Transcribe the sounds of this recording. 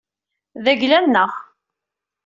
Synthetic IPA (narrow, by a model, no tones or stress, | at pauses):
ðæʝlænːəʁ